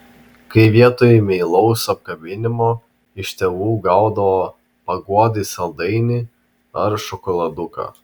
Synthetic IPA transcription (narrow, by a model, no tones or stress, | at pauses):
kɐɪʋʲiɛt̪oːjɛmʲɛɪlˠɐʊsɐp̚kɐbʲɪnʲɪmoː | ɪʃt̪ʲɛʋuːɡɐʊd̪ɐʋoː | pɐɡuɔd̪ʲɪsɐlˠd̪ɐɪnʲɪ | ɐɾʃɔkɔlˠɐd̪ʊkɑ̰ː